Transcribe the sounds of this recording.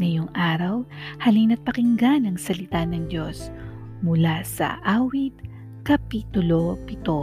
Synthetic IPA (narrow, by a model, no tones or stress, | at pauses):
ŋɐjoŋʔaːɾɐwhɐlinɐt̪̚pɐkɪŋɡanɐŋsɐlɪt̪anɐŋd̪o̞s | mʊlasɐ̰ʔaːwɪd̪̚ | kɐpiːt̪ʊlo̞pɪt̪o